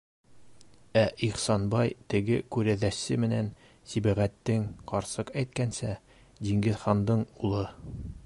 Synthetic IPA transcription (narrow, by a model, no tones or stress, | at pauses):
æʔiχsɑnbɑjt̪ɘ̆ɡɘkʉɾæðæsɘmɘ̆næn | sibæʁæt̪ːɘŋqɒɾsɤqæjt̪̚kænsæ | d̪iŋɡɘðχɑnd̪ɤɴulˠɤ